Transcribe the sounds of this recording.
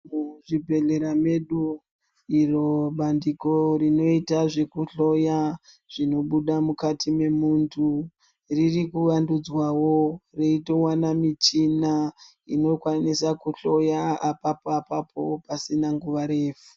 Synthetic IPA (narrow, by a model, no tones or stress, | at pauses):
muʐibʱe̞ɮeɾame̞ɗu | iro̞ɓandiko̞rino̞itaʐe̞kuɬo̞ja | ʐ̥ino̞ɓuɗamukatʰime̞muːntʰu | ririkuʋandud͡zwaworeito̞wanamit͡ʃina | ino̞kwanisakuɬo̞jaːpapapapʰo̞pasinaŋɡuʋaɾe̞ːfu̥